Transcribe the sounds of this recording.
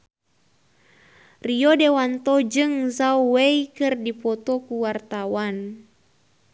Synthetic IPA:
riɔdɛwant̪ɔd͡ʒɨŋzawwɛikɨrdipɔt̪ɔkuwart̪awan

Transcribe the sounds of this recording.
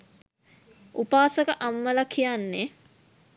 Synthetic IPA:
ʔupaːsəkəʔamːəlakʰijanːe

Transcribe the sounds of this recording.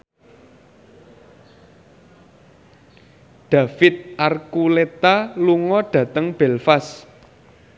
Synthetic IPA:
ɖ̪̥ä̤fɪt̪̚ʔarkulet̪aluŋɔɖ̥ä̤t̪əŋb̥ɛ̤lfas

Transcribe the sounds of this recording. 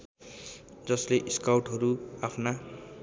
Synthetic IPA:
d͡zʌsleʔiskawʈɦʌɾuapʰna

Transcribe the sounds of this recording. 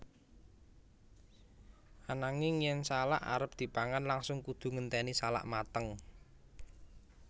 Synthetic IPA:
ʔanaŋɪŋjɛnsala̰ʔa̰ɾəp̚d̪̥i̤paŋanlaŋsʊŋkud̪̥ṳŋənt̪ɛnisala̰ʔmat̪əŋ

